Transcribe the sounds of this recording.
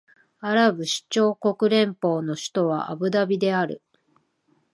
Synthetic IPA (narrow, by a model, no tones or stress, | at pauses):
aɾabɯ̟ɕi̥t͡ɕo̞ːko̞kɯ̟ɾẽ̞mpo̞ːno̞ɕi̥t̪o̞β̞a̰ʔabɯ̟d̪abʲid̪e̞aɾɯ̟̰